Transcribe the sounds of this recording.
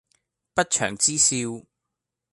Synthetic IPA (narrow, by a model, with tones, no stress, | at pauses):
pɐ˥t̚t͡ʃʰœ̰ː˨˩ŋt͡siː˥siː˧w